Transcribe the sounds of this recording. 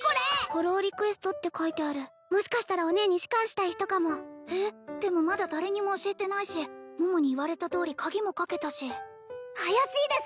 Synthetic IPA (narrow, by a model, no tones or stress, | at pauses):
ko̞ɾeho̞ɾo̞ːɾʲikɯ̟e̞sɨ̥t̪o̞t̪ːe̞kʰait̪e̞aɾɯ̟ | mo̞ɕi̥kaɕi̥t̪aɾao̞ne̞ɲ̟iɕi̥kãɰ̃ɕi̥t̪aiçi̥t̪o̞kamo̞eːd̪̥e̞mo̞mad̪ad̪aɾe̞ɲ̟imo̞ːɕie̞t̪e̞naiɕimomo̞ɲ̟iːβaɾe̞t̪at̪o̞ːɾʲikʰaɡʲimo̞kake̞t̪aɕi | hajaɕiːd̪e̞s